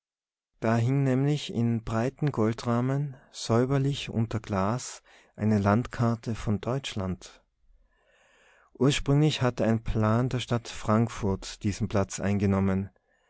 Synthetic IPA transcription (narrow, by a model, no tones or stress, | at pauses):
d̥aːɦɪŋnɛːmlɪçɪ̰nbʁaɪtn̩ɡɔltʁaːmənz̥ɔʏbɐlɪçʔʊ̰ntɐɡ̥laːs | ʔaɪnəlantkʰaɐtʰəfɔndɔʏt͡ʃlant | ʔuːɐʃpʁ̥ʏŋlɪçhatəaɪnpʰl̥aːndeːɐʃtatfʁ̥aŋkfʊɐtd̥iːzn̩pl̥at͡sʔa̰ɪnɡənɔmən